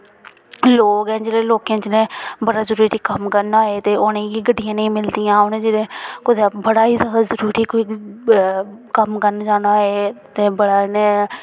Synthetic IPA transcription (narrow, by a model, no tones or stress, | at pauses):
loːkɛ̃ːd͡ʒeːlẽːloːkjãːt͡ʃelẽːbəɽaːzəɾuːɾiːkəmkəɾnaːeːt̪eːʔoːnẽːɡiːɡəɖːɪjãːnəĩːmɪld̪ijãːʊnẽːd͡ʒeːlẽːkʊt̪ebəɽaːɦiːzaːd̪aːzəɾuːɾiːkoiː | kəmkəɾnd͡ʒaːnaːeːt̪eːbəɽaːne